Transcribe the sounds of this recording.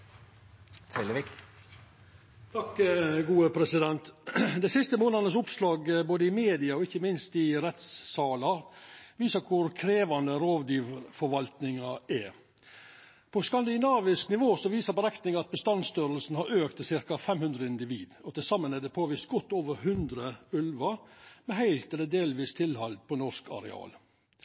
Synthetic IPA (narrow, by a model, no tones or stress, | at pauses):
t̪ʰɾɪləʋik | t̪ʰɑkɡuːəpʰɾɛsɪd̪ɛnt̪d̪ɛsɪst̪əmoːnɑnəsʊpslɑːɡboːd̪əɪmeːd̪ɪɑɔɪçːəmɪnst̪ɪɾɛt̪sːɑːlɑʋiːsəkʰʊɾkʰɾeːʋɑnd̪əɾoːʋd̪yːʋfɔɾʋɑlt̪nɪŋɑɛ | pʰɔskɑnd̪ɪnɑːʋɪsknɪʋoːsɔʋiːsəɾbəɾɛkt̪nɪŋɑt̪̚bəst̪ɑnst̪œɾəlsn̩hɑɾʔøːkt̪sɪɾkɑfɛmhʉnd̪ɾəɪnd̪ɪʋḭːd̪ɔt̪ɪlsɑmːənɛd̪ɛpʰoːʋiːst̪̚ɡɔt̪ːoːʋəɾɦʉnd̪ɾəʉlʋɑmɛɦæɪlt̪ɛlːəd̪eːlʋiːst̪ʰɪlhɑlpʰɔnɔskɑ̰ɾɛ̰ɑ̰ːl